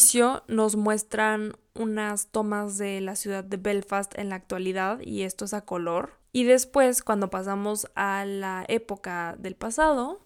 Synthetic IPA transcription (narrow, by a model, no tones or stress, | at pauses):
sjo̞no̞zmwe̞st̪ɾan | unast̪o̞mazðe̞lasjuðaðːe̞βelfast̪ḛnlaːk̚t̪waliðaðḭe̞st̪o̞esako̞lo̞ɾ | iðe̞spwe̞skwand̪o̞pasamo̞salae̞po̞kaðe̞lpasað̞o̞